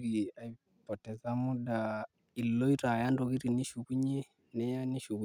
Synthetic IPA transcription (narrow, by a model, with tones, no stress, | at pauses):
ɾi˨a˨i | pɔ˨tɛ˨za˦mu˦da˨ | i˨lːo˦i˦ɾa˨ja˦ndo˨ɣi˦ɾi˨ni˦ʃu˨ku˦ɲe˦ | nɛ˦ja˦ni˦ʃu˨ku˦